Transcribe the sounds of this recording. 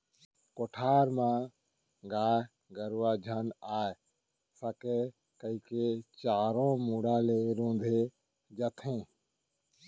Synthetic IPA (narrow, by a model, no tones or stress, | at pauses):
koʈʰaːɾmãː | ɡaː | ɡəɾʋaːd͡ʒʱənaːe | səke | kəiːket͡ʃaːɾõːmuɽaːleːɾõːnd̪ʱe | d͡ʒət̪ʰẽː